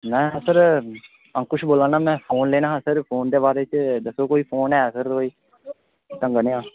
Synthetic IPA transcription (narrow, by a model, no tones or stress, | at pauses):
mɛ̃ːsəɾ | ə̃ŋkʊʃboːlãːnaːmɛ̃ːpʰoːnleːnãːsəɾpʰoːnd̪eːbaːɾeːt͡ʃd̪əsoːkoːiːpʰoːnɦɛːsəɾoːiː | t̪ə̃ŋɡənːãː